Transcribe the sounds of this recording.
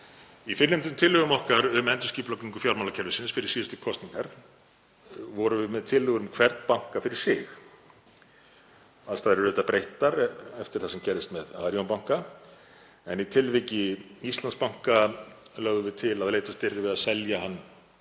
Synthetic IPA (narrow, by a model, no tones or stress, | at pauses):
ifɪnːʏmt̪ʏmt̪ʰɪlhʏɣʏmɔhkaɾʏmɛnt̪ʏ̥sciːplɔkniŋkʏfjawlɾmawlacʰɛɾðʏsɪnsfɪɾɪɾ̥siːðʏst̪ʏkʰɔst̪niŋkaɾ̥ | vɔɾʏvɪmɛðt̪ʰɪlhʏɣʏɾʏmkʰv̥ɛɾt̪npawŋ̥kafɪɾɪɾ̥sɪx | aðst̪ʰaðɾɾʏːt̪apɾejht̪aɾɛft̪ɪɾ̥θasɛmcɛɾðɪst̪mɛða̰ːðɾjownpawŋ̥ka | ɛnit̪ʰɪlvɪcɪist̪lanspawŋ̥kalœɣðʏvɪt̪ʰɪlaðlejt̪ast̪ɪɾðɪvɪðaðsɛljaɦanː